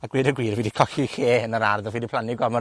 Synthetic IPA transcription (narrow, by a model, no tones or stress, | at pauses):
aɡwɪɾəɡwiːɾviːdikʰɔxixeːnəɾarðɔviːdipʰlˠaniɡɔmɔ